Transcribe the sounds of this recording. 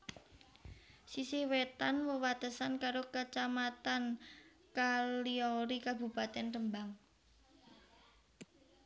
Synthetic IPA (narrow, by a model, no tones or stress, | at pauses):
sisɪhwet̪anwəwat̪əsankaɾokət͡ʃamat̪an | kaliɔɾikabṳpat̪ɛnrəmbaŋ